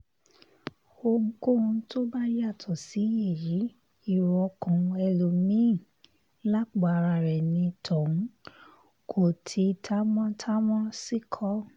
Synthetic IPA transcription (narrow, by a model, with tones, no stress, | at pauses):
o˧ŋ̩˧ko˦˨ũ˧to˦ba˦ja˦˨tʰɔ˨si˨˦je˦˨ji˨˦ | i˦˨wɔ˧kɔ̃˨˧ɛ˧lo˨mĩ˨˦˨ | la˦˨k͡pa˨˧ɾa˧˨ɾɛ˨nĩ˧tʰɔ̃˨˦ | kʰo˨tʰi˨˧˦tʰa˦mɔ̃˦tʰa˦mɔ̃˦si˦kʰɔ˦